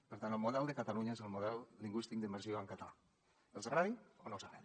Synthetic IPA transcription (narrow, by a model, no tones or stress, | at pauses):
peɾt̪anelmoðɛld̪ekat̪aluɲaezelmoð̞ɛlːiŋɡwist̪ik̚d̪imbeɾsioaŋkat̪ala | elsaraðionowsaɾḛ